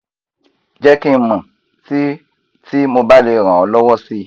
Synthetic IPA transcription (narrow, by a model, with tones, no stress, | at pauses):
d͡ʒɛ˦kĩ˦mə̃˨ | ti˦ | ti˦mõ˧ba˦le˨ɾ̃ã˨ɔ˨lɔ˦wɔ˦si˦